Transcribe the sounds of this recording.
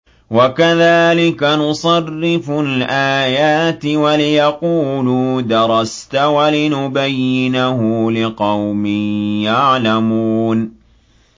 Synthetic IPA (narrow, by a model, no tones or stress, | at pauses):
wakaðaːlɪkanʊsˤɑrːɪfʊlʔaːjaːt̪ɪwalɪjɑquːluːd̪ɑɾˤɑst̪awalɪnʊbajːɪnaɦʊlɪqɑwmɪːjaʕlamuːn